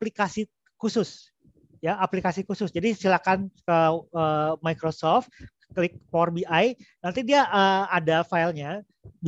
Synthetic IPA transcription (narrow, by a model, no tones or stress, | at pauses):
plikasi | kusʊs | jaaplikasikusʊsd͡ʒadisilakankəəmajkɾosɔft̪̚ | klɪk̚pɔrbiʔajnant̪idiaʔəadafailɲa | b